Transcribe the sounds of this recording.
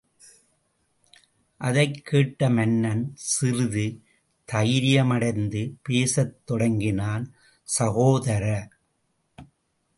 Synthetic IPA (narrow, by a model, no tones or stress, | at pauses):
ʔɐðɐɪkʰːeːʈːɐmɛnːɐnsɪɾɯðɯ | t̪ɐjɪɾɪjɐmɐɽɐɪnd̪ɯpeːsɐt̪ːɔɽɐŋɡɪnaːn | sɐɣoːðɐɾɐ